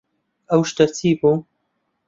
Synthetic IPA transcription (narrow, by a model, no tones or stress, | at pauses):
ʔɐwʃt̪ɨɾt̪ʰiːbu